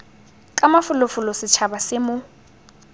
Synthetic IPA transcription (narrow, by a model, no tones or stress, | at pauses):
kʼamafʊlʊfʊlɔsɪt͡ʃʰabasɪmʊ